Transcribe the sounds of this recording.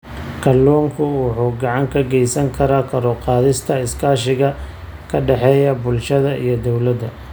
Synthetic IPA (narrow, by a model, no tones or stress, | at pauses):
kʰɐlːɔːŋkʰʊwʊħuːɡɑʕɑŋkʰɐɡɛjsɐŋkʰɐɾaːkʰɐɾɔqɑːðɪst̪ʰɐɪskʰaːʃɪɣɐ | kʰɐɖɛħɛːjɐbʊlʃɐðɐʔḭjɞd̪ɔwlɐd̪ɐ